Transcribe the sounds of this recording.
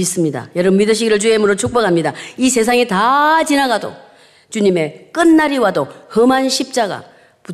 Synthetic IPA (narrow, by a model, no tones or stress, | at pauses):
is͈ɯmɲida̰jʌɾɯmidɯɕ̬ʰiɡiɾɯɭt͡ɕuemɯɾot͡ɕʰok̚p͈ʌkʰamɲidais̬ʰe̞s̬ʰaŋetat͡ɕinaɡado̰ | t͡ɕuɲime̞k͈ɯnːaɾiwadohɯmɦanɕʰip̚t͡ɕ͈aɡa̰ | pu